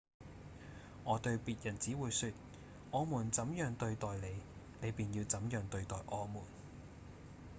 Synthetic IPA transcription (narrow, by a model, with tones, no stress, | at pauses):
ŋɔː˨˧t̪ɵ˧ɥpiː˨˧t̚jɐ˨˩nt͡siː˨˥wuː˨˧jsyː˧t̚ | ʔɔː˨˧muː˨˩nt͡sɐ˨˧˥mjœː˨˧ŋt̪ɵ˧ɥt̪ɔː˨jle˨˧j | le˨˧piː˨˩njiː˧wt͡sɐ˨˥mjœː˨ŋt̪ɵ˧ɥt̪ɔː˨jʔɔː˨˧muː˨˩n